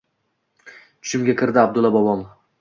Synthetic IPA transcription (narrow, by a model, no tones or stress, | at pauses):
t͡ʃʰʊ̥ʃɪmɡʲakʰʲɪɾd̪ɪabd̪ʊlˠːabɒbɒn